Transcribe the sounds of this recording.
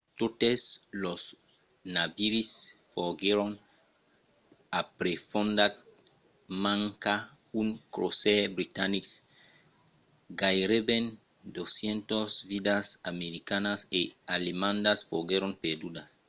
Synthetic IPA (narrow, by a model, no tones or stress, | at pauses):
t̪ot̪eslos | nabiɾisfoɡeɾoŋ | apɾefõnd̪a | mãŋkauŋkɾosebɾit̪aniks | ɡajɾeben | d̪osjẽnt̪osvid̪asameɾikanasealemãnd̪asfoɡeɾoŋped̪ud̪as